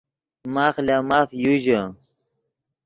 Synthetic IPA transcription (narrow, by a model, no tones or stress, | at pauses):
maːxlaːmaːfjuʑə